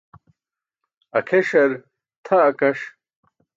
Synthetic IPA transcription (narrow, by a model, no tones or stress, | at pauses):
ɐkʰeʂɐɾ | t̪ʰɐːkɐʂ